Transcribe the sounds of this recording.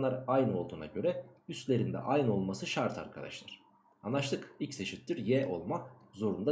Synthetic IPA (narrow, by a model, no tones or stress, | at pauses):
lˠaɾajnɯo̞lˠd̪uːnaɟø̞ɾɛyst̪lʲe̞ɾind̪ɛ̰ʔajnɯo̞lˠmasɯʃaɾt̪ʰa̰ɾkʰad̪a̰ʃlˠaɾ̥ | anlˠaʃlˠɯkilʲcse̞ʃit̪liɾjɛʔo̞̰lˠmazo̞ɾund̪a